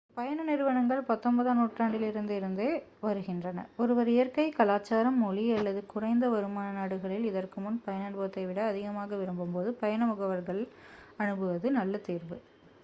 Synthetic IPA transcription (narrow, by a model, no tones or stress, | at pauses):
pɐjɐnɐnɪɾɯʋɐɳɐŋɡɐɭpɐt̪ːɔmbɐðaːnuːʈraːɳɖɪlɪɾɯnd̪ɯɪɾɯnd̪eːʋɐɾɯɣɪndrɐnɐ̰ɔɾɯʋɐɾɪjɐɾkɐɪkɐlaːt͡ʃːaːɾɐmːuːliɐlːɐðɯkʊrɐɪnd̪ɐʋɐɾɯmaːnɐnaːɽɯɣɐɭɪlɪðɐrkɯmʊnpɐjɐnɐɳbɐʋɐt̪ːɐɪʋɪɽɐːðɪɣɐmaːɣɐʋɪɾɯmbɯmboːðɯpɐjɐnɐmʊɣɐʋɐɾɣɐɭɐɳɯbɯʋɐðɯnɐlːɐt̪iːɾʋɯ